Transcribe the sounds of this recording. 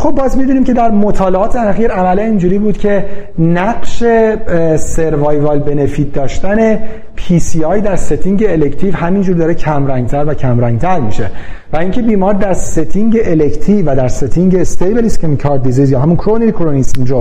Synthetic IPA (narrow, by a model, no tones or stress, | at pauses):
xob̚ːɒːzmid̪uniːmcʰe̞d̪æɾmo̞t̪ʰɒːleɒːt̪ʰeæxiːɾæmælænind͡ʒuːɾiːbuːd̪̥cʰe̞næɡʃe̞seɾvɑːjvɑːlbe̞nefiːt̪̚d̪ɒːʃt̪æne̞ | pʰiːsiɒjd̪æɾset̪ʰiŋɟeːlekʰt̪ʰivhæmind͡ʒuːɾd̪ɒːɾecʰæmɾæŋɡ̚t̪ʰæɾvæcʰæmɾæŋɡ̚t̪ʰæɾmiʃe̞ | væiːŋcʰe̞biːmɒːɾd̪æɾset̪ʰiŋɟe̞ʔelekʰt̪ʰivæd̪æɾset̪ʰiŋɟest̪ejbeliskʰemkʰɒːɾd̪̚d̪izizjɒːɦæmunkʰɾoneɾikʰoɾonisind͡ʒo